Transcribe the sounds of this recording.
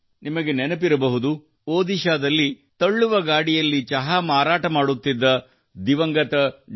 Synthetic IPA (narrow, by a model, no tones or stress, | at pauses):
nimɐɡe̞nɛnɐpiɾɐbɐɦud̪u | oːd̪iʃaːd̪ɐlːi | t̪ɐɭːuʋɐɡaːɽijɐlːit͡ʃɐɦamaːɾaːʈɐmaːɽut̪ːid̪ːɐ | d̪iʋɐŋɡɐt̪ɐ